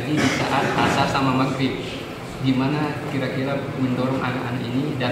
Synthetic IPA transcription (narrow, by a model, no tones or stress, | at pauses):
didisa̰ʔat̪̚hasasamamakɪt̚ | ɡimanakiɾakiɾaməndoɾɔŋa̰naʔanaʔinida